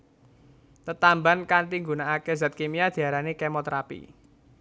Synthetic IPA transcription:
t̪ət̪ambankant̪iŋɡunaːkezat̪̚kemiad̪̥i̤aɾanekemɔt̪ɾapḭ

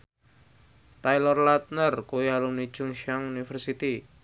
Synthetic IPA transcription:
t̪ajlɔrlat̪̚nərkuiɦalʊmnid̥ʒ̥ʊŋʃaŋunifərsit̪i

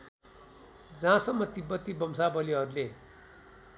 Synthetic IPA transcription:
d͡zãsʌmːʌt̪ibʌt̪ːibʌmsabʌliɦʌɾule

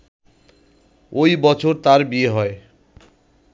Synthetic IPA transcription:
ojbɔt͡ɕʰoɾt̪aɾbieɦɔe

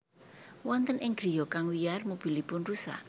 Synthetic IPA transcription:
wɔnt̪ənʔɪŋɡɾi̤okaŋwijarmob̥i̤lipʊnrusa̰ʔ

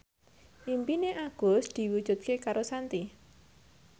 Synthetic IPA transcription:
ʔimpineʔaɡ̥o̤sd̪̥i̤wud̥ʒ̥ṳt̪̚kekaɾosant̪i

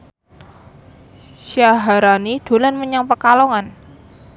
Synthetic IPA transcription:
ʃaɦaɾanid̪̥o̤lanməɲaŋpəkalɔŋan

